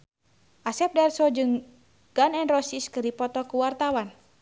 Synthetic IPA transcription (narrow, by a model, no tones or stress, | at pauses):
ʔasɛp̚darsɔd͡ʒɨŋ | ɡ̥anɛnrɔsiskɨrdipɔt̪ɔkuwart̪awan